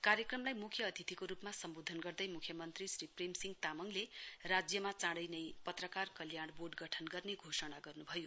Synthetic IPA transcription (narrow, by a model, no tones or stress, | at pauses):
kaɾjʌkrʌmlajmukʰjʌːt̪ʰit̪ikoɾupmasʌmbod̪ʱʌnɡʌrd̪ʌjmukʰjʌmʌnt̪risripremsiŋɡt̪amʌŋlerad͡zjʌmat͡sãɽʌjnʌjpʌt̪rʌkarkʌljaɽ̃borɖɡʌʈʰʌnɡʌrneɡʱosʌɽ̃aɡʌrnubʱʌjo